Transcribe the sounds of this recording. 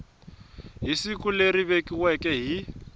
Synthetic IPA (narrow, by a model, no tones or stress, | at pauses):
ɦisikuleɾiβekʼiwɛkʼɛɦi